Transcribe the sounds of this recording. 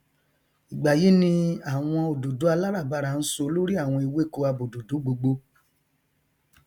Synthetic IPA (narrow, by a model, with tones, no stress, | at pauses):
i˨ɡ͡ba˨ji˨˦nĩ˧a˨w̃ɔ̃˧o˨do˨du˨˦a˧la˦ɾa˦˨ba˦˧ɾa˦˨n̩˦so˧˦lo˦ɾi˦a˦˨w̃ɔ̃˧i˧we˦˨ko˧a˧bo˨do˨du˨˦ɡ͡bo˧ɡ͡bo˧